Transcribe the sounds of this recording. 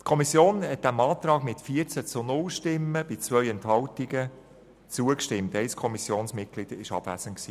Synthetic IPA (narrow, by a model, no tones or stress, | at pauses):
tkʰɔmisjoːnɦɛt̚d̥æmɑːtɾɑːɡmɪtfiəɾt͡sæt͡sʊnʊlʃtɪmːəb̥ɪt͡sʋœʏɛntɦɑltiɡə | t͡suəkʃtɪmtɛɪskʰɔmisjoːnsmɪt̚ɡ̥lɪd̥əɪʃɑ̰b̥væ̰z̥ənksiː